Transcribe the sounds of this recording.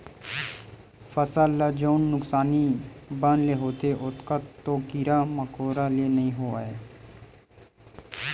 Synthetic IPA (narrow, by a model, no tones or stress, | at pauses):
fəsalːad͡ʒoːnːʊksaːnibənleɦoːt̪eʔʊt̪kat̪oːkiːɾaməkoːɾalenɐɦĩɦoa̰ːeː